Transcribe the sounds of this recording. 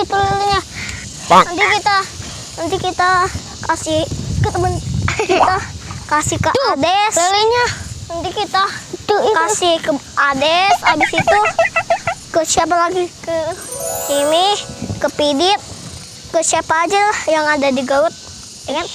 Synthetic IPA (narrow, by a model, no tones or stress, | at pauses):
it̪uləliɲa | ənt̪ikit̪a | ənt̪ikit̪a | kasɪhkit̪amənkit̪akasɪhkədɛsəliɲaənt̪ikit̪at̪ukasɪhkəʔadɛsabisit̪u | kəsiap̬alaɡikə | imɪkəpidɪt̪̚ | kəsiapaːd͡ʒalahjaŋadadiɡaʊt̪̚ | d͡ʒakan